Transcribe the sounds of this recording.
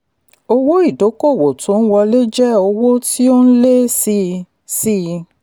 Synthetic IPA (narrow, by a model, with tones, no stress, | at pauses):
o˧wo˦i˦˨do˨˦ko˦˨wo˨tũ˨˦wɔ˧le˦d͡ʒɛ˦o˧wo˦ti˦o˦n̩˦le˦si˧ | si˦